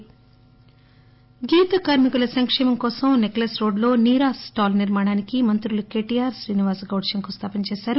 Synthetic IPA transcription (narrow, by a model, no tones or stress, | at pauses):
ɡiːt̪ɐkaːɾmikulɐsɐŋkʂɛːmɐmkɔːsɐmneklɐsɾo̞ːɖlo̞ːniːɾaːsʈaːlniɾmaːɳaːnikimɐnt̪ɾuluke̞ːʈiːjaːɾʃɾiːniʋaːsɐɡɐwʈʂɐŋkust̪ʰaːpɐnt͡ʃeːsaːɾu